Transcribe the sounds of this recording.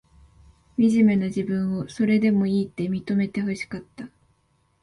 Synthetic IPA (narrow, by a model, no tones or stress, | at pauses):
mʲiʑime̞naʑibɯ̟̃ɰ̃o̞so̞ɾe̞d̪e̞mo̞iːt̪ːe̞mʲit̪o̞me̞t̪e̞ɦɯɕi̥kat̪ːa